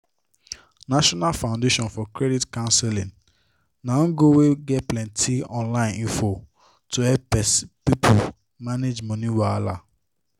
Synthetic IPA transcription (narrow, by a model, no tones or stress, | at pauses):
naʃɔnalfãʊ̃ndeʃɔ̃nfɔkɾɛditkãʊ̃nsɛlĩn | nãŋ̩ɡoweɡɛtplɛ̃ntiɔ̃nlãɪ̃nĩfo | tohɛpɛspipʰu | maned͡ʒmɔniwala